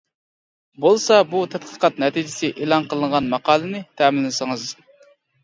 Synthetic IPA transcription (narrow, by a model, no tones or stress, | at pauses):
bolˠsɑbut̪ʰɛt̪qʰə̥qɑt̪nɛt̪ʰid͡ʒɪsɪʔeːlˠɑnqəlˠəɴʁɑnmɑqʰɑːlˠɨnɪt̪ʰɛːmɪlːɪnɪsɨŋɨz